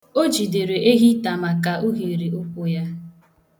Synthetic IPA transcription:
o˦d͡ʒi˨de˨ɾe˨ʔe˦ɦi˦ta˨ma˨ka˨ʔu˦ɣi˨ɾi˨ʊ˦kʷʊ˦ja˦

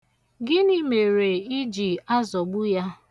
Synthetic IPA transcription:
ɡɪ˦ni˦me˨ɾe˨i˦d͡ʒi˨a˦zɔ˨ɡ͡bʊ˦ja˦

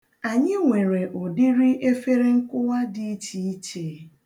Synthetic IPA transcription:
a˨ɲɪ˦ŋʷe˨ɾe˨ʔo˨di˦ɾi˦ʔe˦fe˦ɾe˦ŋ̩˦kʷʊ˦wa˦di˨i˦t͡ʃi˨i˦t͡ʃe˨˦

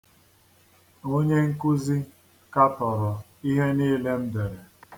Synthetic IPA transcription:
o˦ɲe˦ŋ̩˦ku˦zi˦ | ka˦tɔ˨ɾɔ˨ | i˦ɦe˦niː˦le˦m̩˦de˨ɾe˨

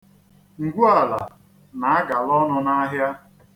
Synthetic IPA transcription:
ŋ̩˨ɡʷu˦a˨la̰˨ | na˨a˦ɡa˨lɔ˦nʊ˧na˦ɦja˦

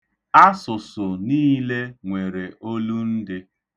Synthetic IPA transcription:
a˦sʊ˨sʊ˨niː˦le˦ŋʷe˨ɾe˨ʔo˦lu˦n̩˦dɪ˦

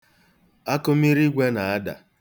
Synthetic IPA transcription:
a˦kʊ˦m˦i˦ɾi˦ɡʷe˦na˨a˦da̰˨

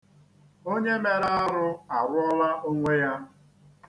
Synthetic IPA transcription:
o˦ɲe˦me˨ɾa˦ɾʊ˦a˨ɾʊ˦ɔ˦la˦ʔo˦ŋʷe˦ja˦

